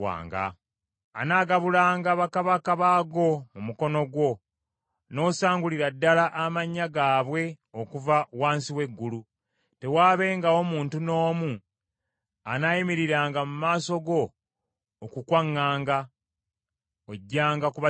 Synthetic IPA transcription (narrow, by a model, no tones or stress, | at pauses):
a̰ːŋɡa̰ː | naːɡaβulaːŋɡaβakaβakaβaːɡo̞mumuko̞no̞ɡwo̞ | no̞ːsaːŋɡuliɾadːalaʔːmaɲːaɡaːβwe̞ | okuvawaːnsiwe̞ɡːulu | te̞waːβe̞ːŋɡaomuːntuno̞ːmu | anajimiɾiɾaːŋɡamumaːso̞ɡo̞ː | kukwaŋːaːŋɡa | oɟːaːŋɡakuβa